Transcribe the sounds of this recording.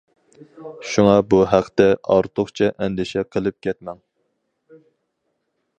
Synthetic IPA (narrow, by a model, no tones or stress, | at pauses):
ʃuŋɑbuɦæqʰt̪ɛɑ̰ɾt̪ʰʊχt͡ʃʰɛʔɛnd̪ɪʃɛqʰəlˠɨp̚kʲʰɛt̪mɛŋ